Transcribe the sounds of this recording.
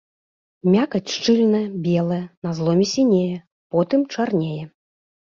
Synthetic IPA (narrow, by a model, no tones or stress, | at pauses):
mʲakɐt͡sʲʂt͡ʂɨlʲnɐjɐbʲɛlˠɐjɛnazlˠɔmʲɛsʲinʲejɛ | pɔt̪ɨmt͡ʂarnʲejɛ